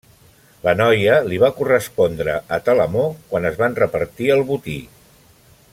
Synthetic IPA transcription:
lənɔjəliβ̞akurəspɔnd̪ɾəət̪ələmokwanəzβanrəpəɾt̪iəlˠβut̪i

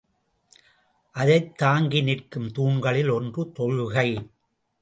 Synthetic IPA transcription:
ʔɐðɐɪt̪ːaːŋɡɪnɪrkɯmt̪uːɳɡɐɭɪlɔndrɯt̪ɔɻɣɐɪ

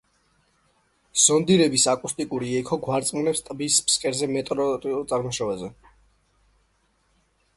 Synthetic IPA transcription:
z̥ɔnd̪iɾɛbisakʼust̪ʼikʼuɾiɛkʰɔɡwaɾt̪sʼmlɛpst̪ʼbispskʼɛɾzɛmɛt̪ʼɾɔɾʼiulˠt̪sʼaɾmɔʃɛvazɛ

